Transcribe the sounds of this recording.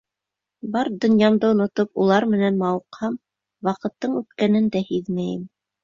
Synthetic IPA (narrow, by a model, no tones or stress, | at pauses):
bɑɾd̪ŏnjɑmd̪ɤŏnŏt̪opulˠɑɾmɘ̆nænmɑwɤ̆qhɑm | wɑqɤ̆t̪ːɤɴʉt̪kænɘnd̪æhiðmæjɘm